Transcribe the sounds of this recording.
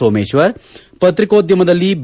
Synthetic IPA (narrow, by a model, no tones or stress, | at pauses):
oːmeːʃʋɐɾ | pɐt̪ɾɪkoːd̪jɐmɐd̪ɐlːiːb